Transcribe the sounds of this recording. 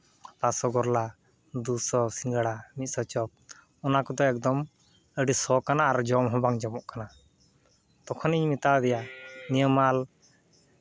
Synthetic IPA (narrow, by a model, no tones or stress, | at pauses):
pasɔɡɔɾla | d̪usɔsiŋɡəɽamit̪̚sɔt͡ʃɔp̚ | ɔnakɔd̪ɔɛk̚d̪ɔm | əɖisɔkanaːɾd͡ʒɔmɦɔbaŋd͡ʒamɔʔkana | t̪ɔkʰɔniɲmit̪ad̪ɛjanijəmal